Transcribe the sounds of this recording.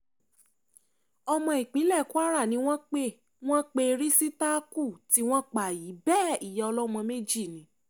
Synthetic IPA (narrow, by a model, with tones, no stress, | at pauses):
ɔ˧mɔ̃˧i˨k͡pĩ˨˦lɛ˦˨ku˦a˦ɾa˦˨nĩ˨˦w̃ɔ̃˦k͡pe˦ | w̃ɔ̃˦k͡pe˦˧ɾi˦si˦ta˦ku˦˨ti˨˦w̃ɔ̃˦k͡pa˦˨ji˨˦bɛː˦˨i˨jɛ˨ɔ˧lɔ˦mɔ̃˧me˦d͡ʒi˦˨nĩ˨˦